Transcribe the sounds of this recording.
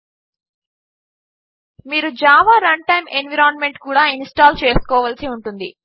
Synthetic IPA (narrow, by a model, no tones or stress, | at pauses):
miːɾud͡ʒaːʋaːɾɐɳʈɐjmenʋiɾaːnme̞ɳʈkuːɽaːinsʈaːlt͡ʃeːskɔːʋalsiuɳʈund̪i